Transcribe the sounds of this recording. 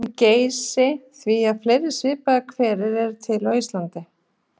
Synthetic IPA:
ceːjsɪθviaðfleːjɾɪ̥svɪːpaakʰvɛːɾɪɾɛɾ̥t̪ʰɪlœːjst̪lant̪ɪ

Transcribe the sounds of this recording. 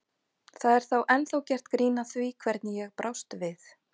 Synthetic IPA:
θaðɛɾ̥θawʔɛnθawcɛr̥t̪kɾiːnaθvikʰvɛɾt̪nɪjɛɣpɾʔawst̪vɪθ

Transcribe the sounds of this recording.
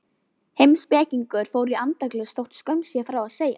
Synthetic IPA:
hejmspɛːciŋkʏɾ̥fowɾiant̪aklɛst̪owht̪skœɥmsjɛfɾawaðseːja̰

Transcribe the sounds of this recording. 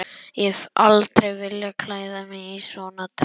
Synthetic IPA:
jɛfʔa̰lt̪ɾejvɪljakʰlaːjðamɛisɔnat̪

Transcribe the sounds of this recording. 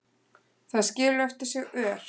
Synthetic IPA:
θaðscɪːlʏɛft̪ɪɾ̥sjɛɣœːɾ̥

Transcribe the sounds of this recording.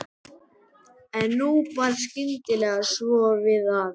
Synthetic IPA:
ɛnːuvaɾscɪnt̪ɪlɛɣasvɔvɪðað

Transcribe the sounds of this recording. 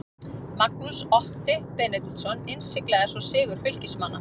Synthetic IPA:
makusɔht̪ɪpɛnɪt̪lsɔnːensːɪklɛðasɔsɪːɣʏɾ̥fʏl̥cɪsmanːa̰

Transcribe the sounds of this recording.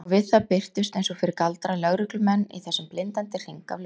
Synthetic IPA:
vɪðθaðpɪr̥t̪ʏst̪ejnsɔfɪɾɪɾkalt̪ɾalœɣɾʏklʏmɛnːḭθɛsːʏmplɪnt̪ant̪ɪr̥iŋka̰vl

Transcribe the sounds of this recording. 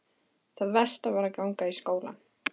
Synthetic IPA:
θaðvɛr̥st̪avaɾakawŋkaiskoːwla̰n

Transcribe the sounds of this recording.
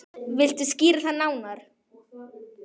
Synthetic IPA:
vɪl̥t̪ʏsciːɾɪθaðnaːwnaɾ̥

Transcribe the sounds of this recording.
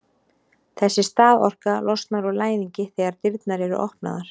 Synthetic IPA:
θɛsːɪst̪aːðɔ̰r̥kalʔɔst̪naɾɔlaːjniɲcɪθɛɣaɾ̥t̪ɪɾt̪naɾɛɾʏ̰ʔɔhpna̰ðaɾ̥

